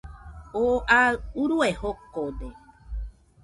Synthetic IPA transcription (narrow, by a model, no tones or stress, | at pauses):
oʔauɾuehokod̪e